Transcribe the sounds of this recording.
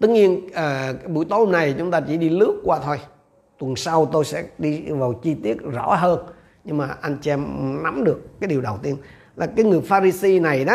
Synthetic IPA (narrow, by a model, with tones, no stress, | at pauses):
t̪ɨ˧˥k̚ɲi˧ənʔəː˨˩˧ɓṵ˧˥jt̪o˧˦hmna˨˩jt͡ɕʊ˨˦ŋ͡mt̪aː˧t͡ɕḭ˧˩ɗi˧lɨ˦˥ək̚kːwaː˧t̪ʰo˧j | t̪wə˨˩nsa˧wt̪o˧jsɛ̰˧˥ɗi˧vaː˨˩wt͡ɕi˧t̪i˦˥ət̚zɔ̰˧˥ɦəː˧n | ɲɨ˧ŋmaː˨˩ʔa˧jŋ̟t͡ɕɛ˧mna˨˦mɗɨ˨˩əkːaː˨˦jɗi˨˩əwɗə˨˩wt̪i˧ən | laː˨˩kaː˨˦jŋɨ˨˩əjfaː˧ɾi˧si˧na˨˩jɗɔ˨˦